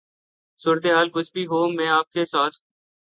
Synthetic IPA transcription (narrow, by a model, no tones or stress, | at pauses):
suːɾət̪eːɦaːlkʊt͡ʃʰbʱiɦoːmɛ̃ːaːp̚kesaːt̪ʰ